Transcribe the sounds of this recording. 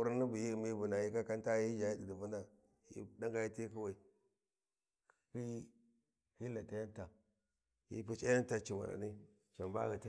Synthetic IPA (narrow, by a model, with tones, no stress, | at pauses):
u˦ɾa˦ni˦bu˨ji˦˨mi˦bu˨na˨ji˦ka˦ka˦nta˦i˦d͡ʒa˨ji˦di˨di˨vu˦na˦˨ | jḭ˦˨da˦ŋɡa˦ji˦ti˦ki˦wa˨i˨ | ki˦ | hi˦la˨ta˨ja˦nta˨ | jḭ˦pu˦t͡ʃa˦ja˦nta˨t͡ʃi˨ma̰˨ɾa̰˨ni˦ | t͡ʃa˨mba̰˦ɣi˨ta˦